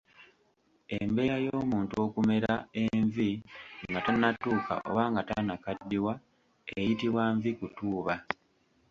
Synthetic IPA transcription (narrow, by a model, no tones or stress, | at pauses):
e̞mbe̞jajo̞ːmuːntuo̞kume̞ɾaeɱviŋɡatanːatuːka̰ʔo̞̰βaːŋɡatanakadːiwa | ejitiβwaɱvikutuːβa